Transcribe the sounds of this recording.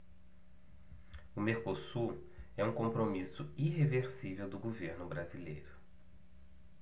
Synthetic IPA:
ʊmeɾkosuɾ | ɛũkõmpɾomisʊiɦeveɾsivewd̪ʊɡoveɾnʊbɾazilḛjɾʊ

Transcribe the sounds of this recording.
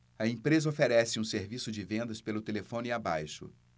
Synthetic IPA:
ɐẽpɾezɐofeɾɛsɪũseɾvisʊd͡ʒɪvẽnd̪ɐspelʊt̪elefõniabajʃʊ̰

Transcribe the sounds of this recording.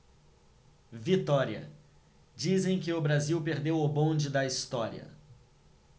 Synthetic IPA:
vit̪ɔɾiɐ̰ | d͡ʒizẽj̃kɪʊbɾaziwpeɾd̪ewʊbõd͡ʒɪd̪ɐist̪ɔɾḭɐ̰

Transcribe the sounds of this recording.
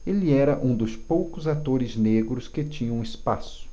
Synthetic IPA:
elɪɛɾɐʔũd̪ʊspowkʊzat̪oɾɪzneɡɾʊskɪt͡ʃĩɲɐ̃w̃ɪspasʊ̥

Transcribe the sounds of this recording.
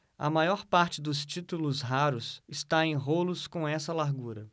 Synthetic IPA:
ɐ̰majɔɾpaɾt͡ʃɪd̪ʊst͡ʃit̪ulʊsɦaɾʊsɪst̪aẽj̃ɦolʊskõɛsɐlaɾɡuɾɐ

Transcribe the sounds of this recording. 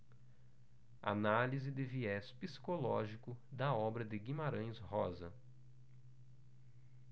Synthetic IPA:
a̰nalizɪd̪ɪviɛspisi̥kolɔ̰ʒikʊd̪ɐɔbɾɐd̪ɪɡĩmaɾɐ̃j̃shɔzɐ̰

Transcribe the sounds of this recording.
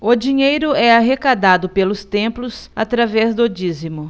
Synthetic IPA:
ʊd͡ʒiɲejɾʊɛaɦekad̪ad̪ʊpelʊst̪ẽmplʊsat̪ɾavɛzd̪od͡ʒizimʊ

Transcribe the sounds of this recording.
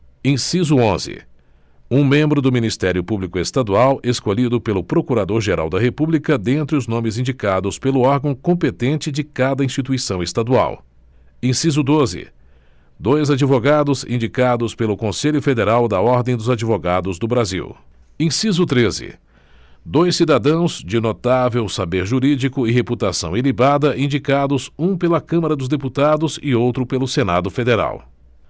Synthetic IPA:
ẽsizʊõzɪ̰ | ũmẽmbɾʊd̪ʊmĩnist̪ɛɾjʊpublikʊest̪ad̪uawʔeskoʎid̪ʊpelʊpɾokuɾad̪oɾʒeɾa̰wd̪ɐɦepublikɐd̪ẽnt̪ɾɪʊznõmɪzĩnd͡ʒikad̪ʊspelʊɔɾɡɐ̃w̃kõmpet̪ẽnt͡ʃɪd͡ʒɪkad̪ɐĩst͡ʃit̪uisɐ̃w̃est̪ad̪ua̰w | ẽsizʊd̪ozɪ̰ | d̪ojzad͡ʒivoɡad̪ʊzḭ̃nd͡ʒikad̪ʊspelʊkõseʎʊfed̪eɾawd̪ɐɔɾd̪ẽj̃d̪ʊzad͡ʒivoɡad̪ʊzd̪ʊbɾazḭw | ẽsizʊt̪ɾezɪ̰ | d̪ojsːid̪ad̪ɐ̃w̃zd͡ʒɪnot̪avewsabeɾʒuɾid͡ʒikʊɪɦeput̪asɐ̰̃w̃elibad̪ɐʔĩd͡ʒikad̪ʊzũpelɐkɐ̃mɐɾɐd̪ʊzd̪eput̪ad̪ʊzɪowt̪ɾʊpelʊsena̰d̪ʊfed̪eɾa̰w

